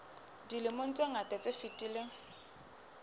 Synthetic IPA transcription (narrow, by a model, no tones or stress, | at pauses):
dilɪmon̩t͡sʼeŋatʼɛt͡sʼefitʼiːle